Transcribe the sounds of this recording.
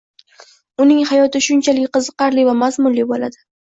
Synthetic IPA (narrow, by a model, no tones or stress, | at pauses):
ʊnɪŋhajɒt̪ɪʃʊnt͡ʃʰalɪkʲqɨzɨqɑɾlivamazmʊnlibola̰d̪ɪ